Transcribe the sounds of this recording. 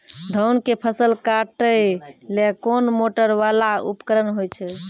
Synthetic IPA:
d̪ʱəwnkepʰəsəlkaʈəjlekonmoʈəɾʋalaṵpkəɾənɦojt͡ʃʰɛ

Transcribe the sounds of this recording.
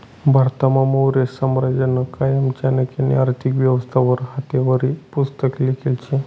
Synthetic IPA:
bʱaɾt̪amaməwɾessamɾad͡ʑənəkajamt͡ɕjanəkanḭaɾt̪ʰikʋjəʋəst̪ʰaʋəɾɦat̪eʋəɾipust̪əklikelt͡ɕẽ

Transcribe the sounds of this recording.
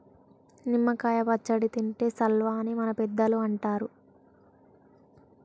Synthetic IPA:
nimːɐkaːjɐbɐt͡ʃːɐɽit̪iɳʈe̞ːsɐlʋaːnimɐnɐpɛd̪ːɐluɐɳʈaːɾu

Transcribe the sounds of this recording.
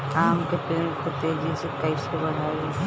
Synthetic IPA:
aːmkepeːkʰot̪eɦɛd͡ʒɛsekɐisebɐɽ̤aːe

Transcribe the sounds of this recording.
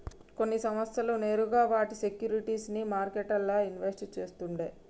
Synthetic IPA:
ko̞nːisɐmɐst̪ʰɐlune̞ːɾuɡaːʋaːʈisekjuːɾiʈiːsnimaːɾkeʈɐlːaːinʋesʈt͡ʃe̞ːst̪uɳɖeː

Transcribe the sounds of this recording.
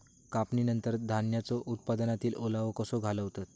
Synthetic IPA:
kapninənt̪əɾd̪ʱanjat͡sɔʔut̪̚pad̪ənat̪iːlolaʋəkəsoɡʱaləʋt̪at̪

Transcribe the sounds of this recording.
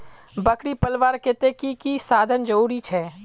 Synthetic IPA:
bɐkɽipɐlʋaːɾkɪt̪ekikisaːd̪ʱənd͡ʒɐuːɾit͡ʃʰɛː

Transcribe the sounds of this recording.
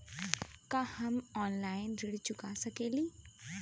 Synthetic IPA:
kahɐmɔːnlaːɪnɾɪɽt͡ɕʊkasɐkeːliː

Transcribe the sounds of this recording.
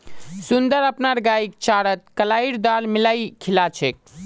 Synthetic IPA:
sund̪əɾəpnaɾɡaik̚t͡ʃaɽət̪̚kəlaiɾd̪aɾmilajkʰilat͡ʃʰek̚

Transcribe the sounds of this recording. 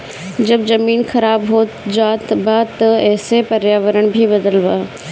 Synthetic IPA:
d͡ʑɐbzɐmiːnxɐɾaːbɦoː | d͡ʑaːt̪baːt̪ɐɛːsepɐɾjaːʋəɾəɽ̃bʱibɐd̪əlʋaː

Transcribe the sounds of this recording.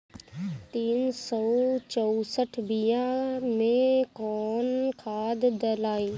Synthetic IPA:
t̪iːnsɔt͡ʃɔusəʈʰbijãmẽkɔːnkʰaːd̪d̪əlaːĩ

